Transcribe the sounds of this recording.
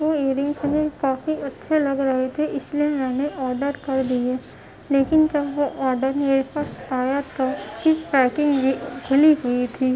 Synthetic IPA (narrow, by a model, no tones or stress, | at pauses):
ʋoeːɾɪ̃ŋɡsɐnekaːfiɐtːʃʰelɐɡɾɐɦet̪ʰeʔɪsliemɛ̃ːneʔɔːɾɖəɾkɐɾd̪ieː | leːkɪnd͡ʒɐbʋoʔɔːɾɖəɾneeɾfəsaːjat̪ʰakiʈɾɛːkɪ̃ŋɡbiɡʰʱʊliɦʊit̪ʰiː